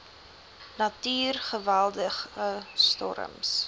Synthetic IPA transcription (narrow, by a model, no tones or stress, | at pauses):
nɐtyːrχəvælˠdəχəstɔ̰ɾə̰ms